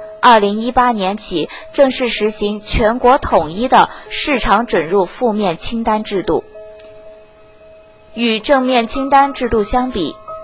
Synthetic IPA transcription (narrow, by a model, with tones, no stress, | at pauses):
ɐ˥˩li˧˥ŋi˥pa˥njɛ˧˥nt͡ɕʰi˨˩˦ | ʈ͡ʂɤ˥˧ŋʂɻ̩˥˩ʂɻ̩˧˥ɕi˧˥ŋt͡ɕʰɥɛ˧˥nkwɔ˧˥t̪ʰʊ˨˩ŋi˥˩d̪ə˨ʂɻ̩˥˩ʈ͡ʂʰɑ˧˥ŋʈ͡ʂwə˨˩nɻu˥˧fu˥˧mjɛ˥˩nt͡ɕʰi˥ŋt̪a˥nʈ͡ʂɻ̩˥˧t̪ṵ˥˩ | y˨˩ʈ͡ʂɤ˥˧ŋmjɛ˥˩nt͡ɕʰi˥ŋt̪a˥nʈ͡ʂɻ̩˥˧t̪u˥˩ɕjɑ˥ŋpi˨˩˦